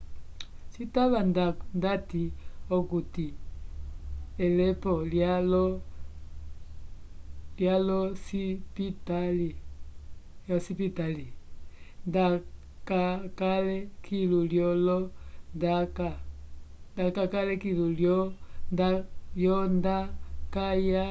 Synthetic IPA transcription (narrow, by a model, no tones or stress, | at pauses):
t͡ʃitaβandandatiɔkuti | ɛlɛpɔlalɔ | ljalɔsipitali | jɔsipitali | nda | kakalɛkʰiluljɔlɔndaka | ndakakalɛkiluljɔndajɔndakaja